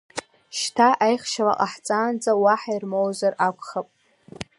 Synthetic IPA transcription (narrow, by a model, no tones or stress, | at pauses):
ʃtʰaʔajχʃala̰qʼaħt͡sʼaːnd͡zʼawaħairmowzarakʷʰʼχapʼ